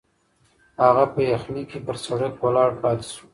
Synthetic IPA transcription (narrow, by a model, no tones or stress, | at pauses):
haɣapəjaxnikebəɾsaɽakwəlɑɽpɑt̪e̥ʃu̥